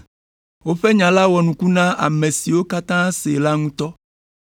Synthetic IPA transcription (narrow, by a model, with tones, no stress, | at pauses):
wo˦ɸe˦ɲã˨la˦wɔ˨nũ˨ku˦nã˦ʔa̰˨mẽ˨si˨wo˦ka˦t̪ã˦se˨la˦ŋũ˦t̪ɔ˦